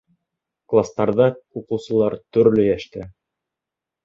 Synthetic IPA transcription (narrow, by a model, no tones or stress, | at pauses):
klˠast̪ɑɾðɑuqɤ̆wsɤ̆lˠɑɾt̪ɵ̆ɾlɵjæʃt̪ɘ